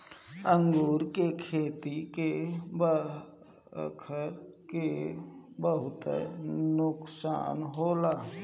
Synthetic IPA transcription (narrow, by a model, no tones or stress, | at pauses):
əŋɡuːɾkekʰeːt̪ikebə | kʰəɾ | ke | bəɦʊt̪nʊksa̰ːnɦoːlaː